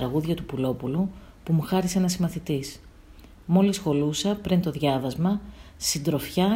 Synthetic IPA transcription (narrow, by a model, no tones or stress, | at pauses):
ɾɐɣuðʝɐt̪upulo̞pulu | pumuxɐɾiseenɐsimɐθit̪is | mo̞lisxo̞lusɐpɾint̪o̞ðʝɐvɐzmɐsind̪ɾo̞fçɐ